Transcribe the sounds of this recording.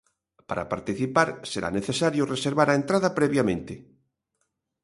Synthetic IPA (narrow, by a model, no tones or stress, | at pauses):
paɾa̰paɾt̪iθipaɾseɾa̰neθesaɾjoreseɾβaɾaent̪ɾaðapɾeβjamẽnt̪e